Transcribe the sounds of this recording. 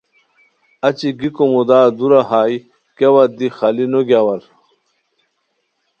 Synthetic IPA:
ɐt͡ɕiɡikomod̪aːd̪uɾaɦaːj | kewɐd̪ixɐlinoɡjawɐɾ

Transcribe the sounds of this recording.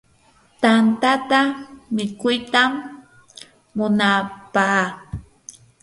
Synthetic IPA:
t̪ant̪at̪amɪkʊjt̪am | ʊnapaː

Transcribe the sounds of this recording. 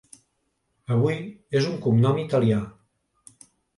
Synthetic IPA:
əβ̞ujezuŋkumnɔmit̪alia

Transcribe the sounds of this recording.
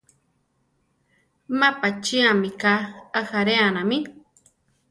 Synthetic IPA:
mapat͡ʃiamikaaxaɾeanami

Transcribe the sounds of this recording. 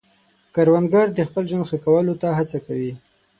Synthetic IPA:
kaɾwanɡaɾd̪əxpəlʒwand̪xakawəlot̪aɦat͡sakawi

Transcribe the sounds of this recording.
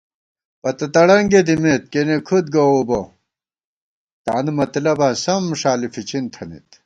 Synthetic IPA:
pɐt̪ɐt̪ɐɽɐŋɡed̪imet̪̚kenekʰud̪̚ɡɐobo | t̪aːnumɐt̪lɐbãːsɐmʂaːlifit͡ɕʰint̪ʰɐnḭt̪

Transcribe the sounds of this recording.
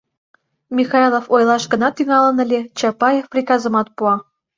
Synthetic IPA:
mʲixɑjlˠofojlɑʃɡə̆nɑt̪yŋɑlə̆nə̆lʲet͡ɕɑpɑjefprʲikɑzə̆mɑt̪̚puɑ

